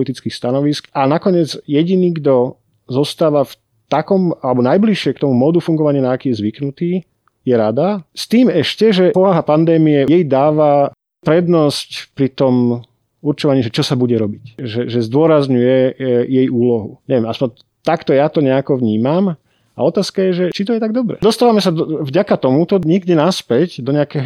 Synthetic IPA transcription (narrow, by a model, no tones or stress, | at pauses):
lit̪it͡skiːxst̪anɔʋiskanakɔɲɛd͡zjɛɟiniːɡd̪ɔ | zɔst̪aːʋaf | t̪akɔmalɛbɔnajbliʃɪɛkt̪ɔmumɔd̪ufuŋɡɔʋaɲɪanaːkiːjɛzʋiknut̪iː | jɛɾad̪ast̪iːmɛʃcɛʒɛpɔʋaɦapand̪ɛːmijɛjɛjd̪aːʋa | pɾɛd̪nɔscpɾit̪ɔm | uɾt͡ʃɔʋaɲiːʒɛt͡ʃɔsabuɟɛɾɔbicʒɛʒɛzd̪ʊɔɾazɲujɛjɛjuːlɔɦuɲɛʋjɛmaspɔɲ | t̪akt̪ɔjat̪ɔɲɛakɔʋɲiːmam | a̰ɔt̪aːskajɛʒɛt͡ʃit̪ɔjɛt̪aɡd̪ɔbɾɛ̰d̪ɔst̪aːʋamɛsad̪vɟakat̪ɔmut̪ɔɲiɡd̪inaspɛcd̪ɔɲɛakɛːɦɔ